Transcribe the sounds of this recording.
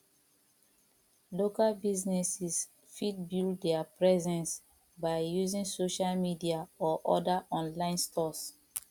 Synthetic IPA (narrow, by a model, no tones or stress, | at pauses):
lokalbiznɛsis | fidbilddɛapɹɛzɛ̃ns | baɪjuzĩŋsoʃalmidiaɔʔɔdaʔɔ̃nlãɪ̃nstɔs